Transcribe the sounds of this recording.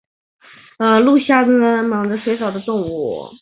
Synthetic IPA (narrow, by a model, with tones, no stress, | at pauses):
ə˧lu˥˧ɕja˥˩ə˧˩mɑ˨˥ŋdə˧ʂwe˧˥ɪʂɑ˨˩ʊd̪ə˦t̪ʊ˥˧ŋṵ˥˩